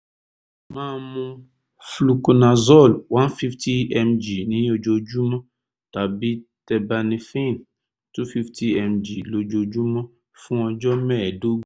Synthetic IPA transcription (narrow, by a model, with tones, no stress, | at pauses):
mãː˦˧mũ˧ | flu˧ku˧nã˨zɔ˦˨lwã˦n˦fi˦fti˦ɛ˧md͡ʒi˨nĩ˨˦o˧d͡ʒo˧d͡ʒu˦mɔ̃˦ | ta˨˦bi˦tɛ˧ba˧nĩ˧fĩ˦˨n | tu˦fi˦ftʰi˦ɛ˧md͡ʒi˨lo˧d͡ʒo˧d͡ʒu˦mɔ̃˦ | fũ˦ɔ˧d͡ʒɔ˦mɛ̃ː˦˨do˦